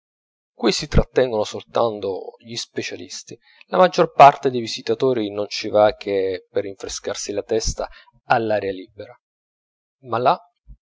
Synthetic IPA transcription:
kwisit̪ɾat̪ːɛŋɡonosolt̪ant̪o̰ʎispet͡ʃalḭst̪i | lamad͡ʒːorpart̪ed̪ejvizit̪at̪oːɾinont͡ʃivak̟ʰːeperːiɱfɾeskarsilat̪ɛst̪a | alːaɾjalibeɾa | malːa

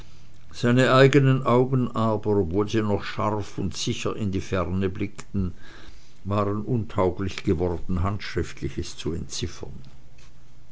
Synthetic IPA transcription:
z̥aɪnəʔaɪɡənənʔaʊɡən̩ʔaːbɐɔpvoːlziːnɔχʃaʁfʊntz̥ɪçɐʔɪndiːfɛʁnəblɪktn̩ | vaːʁənʔʊntʰaʊɡlɪçɡ̥əvɔʁd̥n̩ɦantʃʁ̥ɪftʰlɪçəst͡suɛ̰ntt͡sɪfɐ̰n

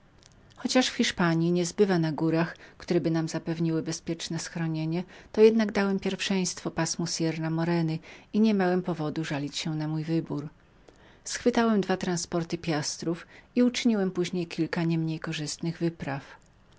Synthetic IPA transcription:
xɔt͡ɕaʂfxʲiʂpaɲjiɲɛzbɘvanaɡuɾaxkt̪uɾɛbɘnamzapɛvɲiwɘbɛspʲjɛt͡ʂnɛsxɾɔɲeɲɛt̪ɔjɛd̪naɡd̪awɛmpʲjɛɾfʂɛj̃st̪fɔpasmusʲjɛɾnamɔɾɛnɘiɲɛmʲjawɛmpɔvɔd̪uʐalʲit͡ɕɕɛnamujvɘbuɾ | sxfɘt̪awɛmd̪vat̪ɾanspɔɾt̪ɘpʲjast̪ɾufiut͡ʂɘɲiwɛmpuʑɲejkʲʰilkaɲɛmɲejkɔʐɘst̪nɘɣvɘpɾaf

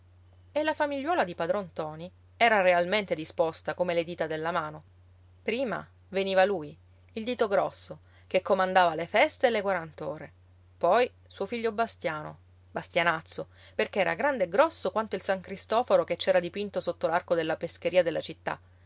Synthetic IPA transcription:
elːafamiʎːwɔːlad̪ipad̪ɾɔnt̪ɔːni | ɛːɾarealment̪ed̪ispɔst̪akomeled̪iːt̪ad̪elːamaːno | pɾiːma̰ | veniːvaluːj | ild̪iːt̪oɡɾɔsːo | kekːomand̪aːvalefɛst̪elːekwaɾant̪oːɾe | pɔj | suofiʎːobast̪jaːno | bast̪janat̪sːo | perkeɛːɾa̰ɡɾand̪eɡɾɔsːokwant̪oilsaŋkɾist̪ɔːfoɾoket͡ʃːɛːɾad̪ipint̪osot̪ːolarkod̪elːapesk̟eɾiːad̪elːʔat͡ʃit̪ːa̰

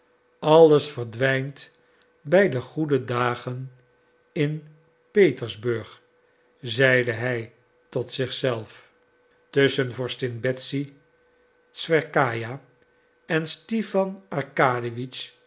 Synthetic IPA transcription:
ɑlˠəsfəɹdʋɛjnt | bɛjdəχudədaːχən | ɪn | pejtəɹzbɵɹχ | zɛjdəɦɛj | tɔtsɪχsɛlˠf | tɵsənvɔɹstɪnbɛtsi | sfɛɹkaːja | ɛnstifɑnɑɹkaːdiʋit͡ʃ

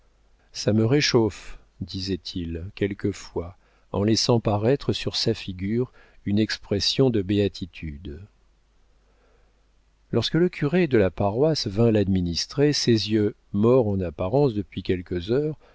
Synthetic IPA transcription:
saməʁeʃof | d̪izɛt̪ʰilkʲɛlkəfwa | ɑ̰̃lɛsɑ̃paʁɛt̪χəsyʁsafiɡʲyʁ | ynɛkspχɛsjɔ̃d̪əbeat̪ʰit̪ʰyd̪ | lɔʁskələkʲʰyʁed̪əlapaʁwasvɛ̃lad̪minist̪χesezjø | mɔʁɑ̃napaʁɑ̃sd̪əpɥikʲɛlkəzœːʁ

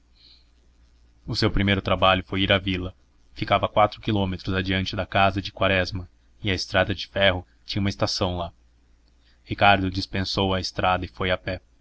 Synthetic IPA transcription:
ʊsewpɾimejɾʊt̪ɾabaʎʊfojiɾavilɐ | fikavɐkwat̪ɾʊkilõmet̪ɾʊzɐd͡ʒiɐ̃nt͡ʃɪd̪ɐkazɐd͡ʒɪkwaɾɛzmɐ | ɪɐɪst̪ɾad̪ɐd͡ʒɪfɛɦʊ | t͡ʃĩɲɐũmɐɪst̪asɐ̃w̃la | hikaɾd̪ʊd͡ʒispẽsowɐɪst̪ɾad̪ɐɪfojapɛ

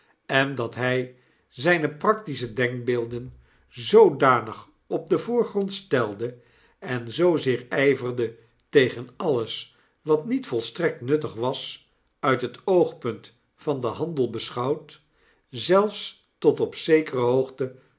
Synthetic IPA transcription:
ɛndɑtɦɛj | zɛjnəprɑktisədɛŋk̚beːlˠdən | zowdaːnəχ | ɔb̚dəvʊːɹχrɔntstɛlˠdə | ɛnzowzɪːɹɛjvərdə | tejχənɑləs | ʋɑtnitfɔlˠstrɛk̚tnɵtəχʋɑs | œɥtɦətowχpɵnt | fɑndəɦɑndəlˠbəsχɑwt | zɛlˠfs | tɔtɔpsejkərəɦowχtə

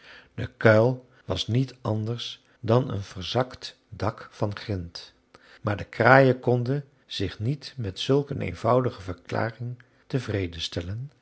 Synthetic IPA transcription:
d̥əkœɥlˠ | ʋɑsnitʰɑndəɹs | dɑnə̰nv̥əɹzɑkt | dɑkfɑnχrɪnt | maːɹdəkraːjəkɔndə | z̥ɪχnitmɛtsɵlˠkənʔḛjnv̥ʌwdəχəvəɹkla̰ːrɪŋ | təvrejdəstɛlən

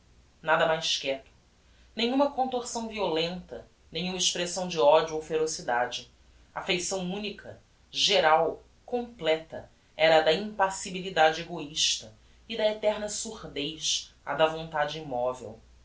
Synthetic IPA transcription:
nad̪ɐmajʃkɛt̪ʊ̥ | nẽɲ̃ũmɐkõnt̪oɾsɐ̃w̃violẽnt̪ɐ | nẽɲ̃ũmɐiʃpɾesɐ̃w̃d͡ʒɪɔd͡ʒuowfeɾosid̪ad͡ʒɪ | ɐafejsɐ̃w̃ũnikʰɐ̰ | ʒeɾaw | kõmplɛt̪ɐ̰ | ɛɾɐd̪ɐĩmpasibilid̪ad͡ʒɪeɡoiʃt̪ɐ | ɪd̪ɐet̪ɛɾnɐsuʁd̪ejʃɐ̰d̪ɐvõnt̪ad͡ʒɪimɔvḛw

